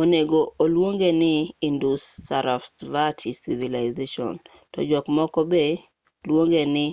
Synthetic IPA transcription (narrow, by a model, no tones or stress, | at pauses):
oneɡoolwoŋɡenɪindusːaɾafsvatʰisivilaɪzeʃɔ̰n | tɔ̰d͡ʒɔkmɔkɔbe | lwoŋɡenɪ